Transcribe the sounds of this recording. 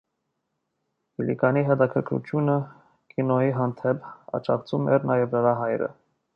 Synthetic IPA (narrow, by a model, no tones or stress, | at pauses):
ilḭkɑniɦɛt̪ɑkʰəɾkʰɾṵt͡ʃ̪ʰjunə | kinɔjiɦɑnt̪ʰɛpʰɑ̰t͡ʃɑkt͡sʰumɛɾnɑjɛvnəɾɑɦɑjɾə̰